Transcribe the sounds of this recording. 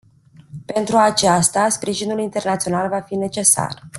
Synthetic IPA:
pe̞nt̪ɾuat͡ʃast̪aspɾiʒinulint̪e̞rnat̪sio̞nalvafine̞t͡ʃe̞sa̰r

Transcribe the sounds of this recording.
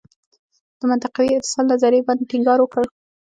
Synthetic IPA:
d̪̥əmʊnt̪aqawiɪt̪ɪ̥sɑllazɑɾeband̪̚ʈiŋɡɑɾwəkəl

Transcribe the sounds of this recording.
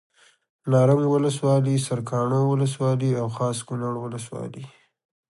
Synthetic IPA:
nɑɾamwʊləswɑlisaɾkʰɑɳãwʊləswɑliawxɑskʊnaɽwʊləswɑ̰li

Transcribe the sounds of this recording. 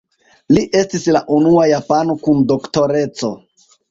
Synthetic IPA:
liʔe̞stislaʔunuajapano̞kundo̞kto̞ɾe̞t͡so̞

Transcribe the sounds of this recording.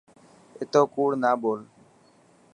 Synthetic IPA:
ɪt̪oːkuːɽnaːɓoːl

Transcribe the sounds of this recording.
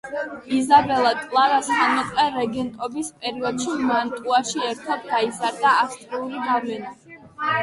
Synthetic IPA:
izabɛlˠat̪ʼlˠaɾasamɔqʼvɛɾɛɡɛnt̪ʼɔbispʼɛɾiɔd̪ʃimant̪ʼuaʃiɛɾt̪ʰad̪̚ɡaizaɾd̪aːst̪ʼɾiuliɡavlɛna

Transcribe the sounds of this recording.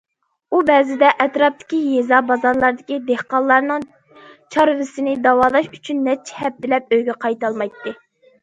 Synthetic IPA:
ubɛzɪd̪ɛʔɛt̪ɾɑp̚t̪ʰɪ̥kʲijezɑbɑzɑɾlˠɑɾd̪ɪkʲid̪ehqɑlˠːɑɾnɨŋ | t͡ʃʰɑɾɨvɪsɪnɪd̪ɑwɑːlˠɑʃyt͡ʃʰynːɛt͡ʃʰɛ̥hɛp̚t̪ɪlɛp̚øjɡʲɛqʰɑjt̪ɑlˠmɑjt̪ːɨ

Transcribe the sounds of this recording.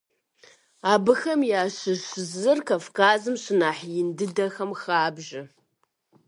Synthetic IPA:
aːbɨxɐmjaːɕɪɕzɨrkʰafkʰaːzɨmɕɪnaːħjɪndɨdɐxɐmxaːbʒɐ

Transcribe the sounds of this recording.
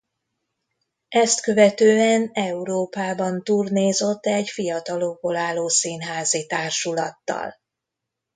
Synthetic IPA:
ɛst̪kø̞vɛt̪øːɛnɛuɾoːpaːbɒnt̪uːrneːzo̞t̪ːɛɟfijɒt̪ɒlo̞ɡ̚bolaːlːoːsiːnɦaːzit̪aːrʃulɒt̪ːɒ̰l

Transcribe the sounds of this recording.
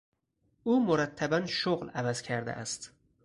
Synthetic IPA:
uːmoɾæt̪ʰːæbænʃoɣlævæz̥cʰæɾd̪ḛʔæst̪

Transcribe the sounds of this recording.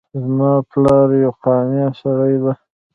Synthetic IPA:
zmɑplɑɾjawqɑmjɑsaɾajd̪a

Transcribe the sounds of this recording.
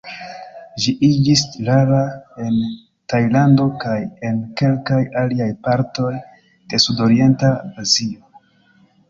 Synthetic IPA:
ʒiʔid͡ʒislaɾae̞n | tajlando̞kaje̞nke̞lkajaliajpaɾto̞j | d̥e̞sudo̞ɾie̞ntaazio̞

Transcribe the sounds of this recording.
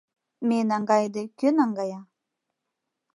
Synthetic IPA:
menɑŋɡɑjd̪ekønɑŋɡɑjɑ

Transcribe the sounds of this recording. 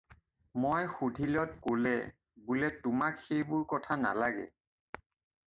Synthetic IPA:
mojxudʱilɔtkolɛ̰ | bulɛtʊmakxejbʊɹkɔtʰana̰laɡɛ̰

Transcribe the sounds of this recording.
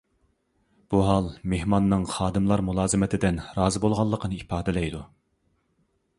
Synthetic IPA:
b̥uɦɑlˠmehmɑnːɨŋχɑːd̪ɨmlˠɑɾmulˠɑːzɨmɪt̪ʰɪd̪ɪnɾɑːzɨbolˠʁɑlˠːəqʰənɨipɑːd̪ɛlɛjd̪u

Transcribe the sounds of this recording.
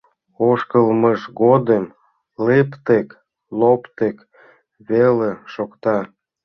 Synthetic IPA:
oʃkəlməʃɣod̪əm | lept̪ek | lopt̪ek | βeleʃokt̪ɑ

